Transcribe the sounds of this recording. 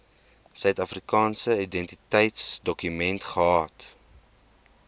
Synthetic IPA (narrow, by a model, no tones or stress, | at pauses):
sœɥtɐfrikɑːnsəidɛntitɛjtsdɔkymɛntχəɦɑːt